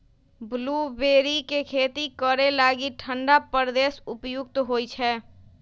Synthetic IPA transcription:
bluːbeːɾikekʰeːt̪ikəɾelaːɡiʈʰə̃ɳɖapəɾd̪eːsʊpjʊɡ̚t̪ɦoːit͡ʃʰɛː

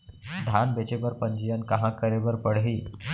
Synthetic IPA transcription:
d̪ʱanbet͡ɕebəɾpəɲd͡ʑijankəɦãkəɾebəɾpəɽ̤ɦiː

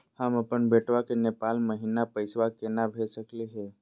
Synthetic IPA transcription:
həməpənbeːʈʋakeneːpaːlməɦiːnapəɪsʋakenabʱeːsəkleɦɛ̃ː

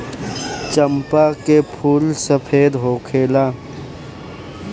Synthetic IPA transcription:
t͡ʃəmpakepʰuːlsɐpʰeːd̪ɦoːkʰeːlaː

